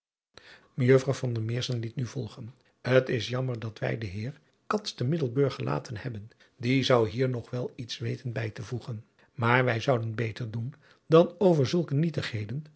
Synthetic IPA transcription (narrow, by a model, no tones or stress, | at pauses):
məjøfrɑwvɑndəmɪːɹsənlitnyv̥ɔlˠχən | hətɪsjɑməɹdɑtʋɛ̰jdəɦɪːɹ | kɑtstəmɪdəlˠbøɹχəlʔa̰ːtʰənhɛbən | dizɑwɦiːɹnɔχʋɛlˠitsʋejtənbɛjtəvuχən | maːɹʋɛjzʌwdənbejtəɹdun | dɑnowvəɹzɵlˠkənitəχɦejdən